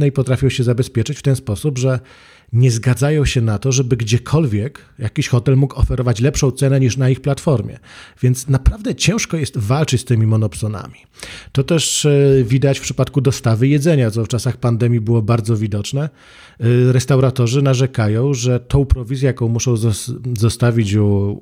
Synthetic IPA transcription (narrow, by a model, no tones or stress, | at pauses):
nɛipɔt̪ɾafʲjɔwɕɛzabɛspʲjɛt͡ʂɘt͡ɕft̪ɛnspɔsubʐɛ | ɲɛzɡad̪zajɔ̃w̃ɕɛnat̪ɔʐɛbɘɡd͡ʑɛkʰɔlvʲjɛk | jakʲiɕxɔt̪ɛlmukɔfɛɾɔvat͡ɕlɛpʂɔ̃w̃t̪sɛnɛɲiʂnaixplat̪fɔɾmʲjɛ̰vʲjɛnt̪snapɾavd̪ɛt͡ɕɛ̃w̃ʂkɔjɛst̪valt͡ʂɘt͡ɕʲst̪ɘmʲimɔnɔpsɔna̰mʲi | t̪ɔt̪ɛʂvʲid̪at͡ɕfpʂɘpat̪kud̪ɔst̪avɘjɛd̪zɛɲat̪ɔft͡ʂasaxpand̪ɛmʲjibɘwɔbaɾd̪zɔvʲid̪ɔt͡ʂnɛ | ɾɛst̪awɾat̪ɔʐɘnaʐɛkajɔ̃w̃ʐɛt̪ʰɔ̃w̃pɾɔvʲizʲjɛjakɔ̃w̃muʂɔ̃w̃zzɔst̪avʲit͡ɕ